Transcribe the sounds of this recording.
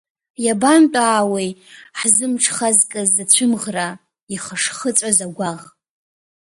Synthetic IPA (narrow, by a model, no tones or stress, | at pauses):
jabantʼaːwejħzɨmʈ͡ʂʰχazkʼɨzat͡ɕʷʰʊmʁra | iχaʂχət͡sʷʼazaɡʷaʁ